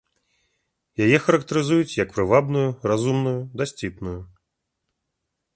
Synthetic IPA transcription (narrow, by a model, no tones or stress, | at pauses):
jajɛxɐɾɐkt̪ɐɾɨzujut͡sʲjɐkpɾɨvabnujurazumnujud̪asʲt͡sʲipnuju